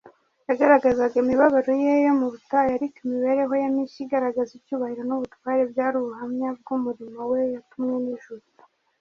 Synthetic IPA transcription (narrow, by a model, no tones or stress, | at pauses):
jaɡaɾaɡazaɡaimiβaβaɾo̞jejo̞muβutajaɾikimiβe̞ɾe̞ɦo̞jamiːʃiɡaɾaɡazibcuːβahiɾo̞nuβutwaɾe̞bjaːɾuβuɦamɲab̚ɡumuɾimawejutumŋeniʒuɾu